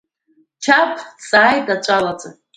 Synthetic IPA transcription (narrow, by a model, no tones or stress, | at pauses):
t͡ʃʰapʰsaːjtʼat͡ʃʷʼalat͡sʼa